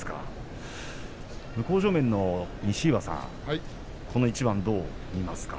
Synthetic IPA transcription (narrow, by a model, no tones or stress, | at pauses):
ka̰ | mɯ̟ko̞ːʑo̞ːmẽ̞nːo̞ɲ̟iɕiːβasã̰ | kʰo̞no̞it͡ɕibãnd̪o̞ː | mʲimasɨ̥ka̰